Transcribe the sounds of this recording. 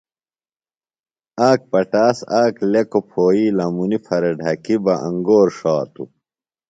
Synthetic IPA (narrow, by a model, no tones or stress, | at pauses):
aːk̚pɐʈaːsaːklekopʰoːiːlɐmunifʰɐɾeɖʱɐkibɐʔɐŋɡoːɾʂaːt̪ṵ